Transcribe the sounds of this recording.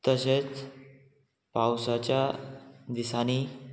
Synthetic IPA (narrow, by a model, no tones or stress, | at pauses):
t̪əset͡s | pawsat͡ɕjad̪isani